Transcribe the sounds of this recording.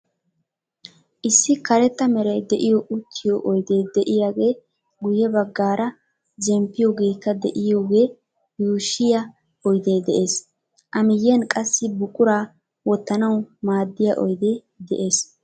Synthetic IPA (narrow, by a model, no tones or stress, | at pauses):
ʔɪsːɪkɐɾɛt̪ːɐmɛɾɐjd̪ɛʔɪjɔʔʊt̪ʰːɪjɔʔɔjd̪e̞ːd̪ɛʔɪjaːɡe̞ː | ɡʊjɛbɐɡːaːɾɐ | d͡ʒɛmpːɪjoːɡe̞ːkːɐd̪ɛʔɪjo̞ːɡe̞ː | juːʃːɪja | ɔjd̪e̞ːd̪ɛʔe̞ːs | ʔɐmɪjːɛnkʼɐsːɪbʊkʼːʊɾaː | wɔt̪ːɐnɐwmaːd̪ːɪja̰ʔɔjd̪eː | d̪ɛ̰ʔeːs